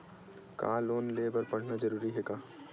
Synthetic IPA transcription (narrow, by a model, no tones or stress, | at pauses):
ka̰ːloːnleːbəɾpɐɽ̤nad͡ʒɐɾuːɾiɦɛkaː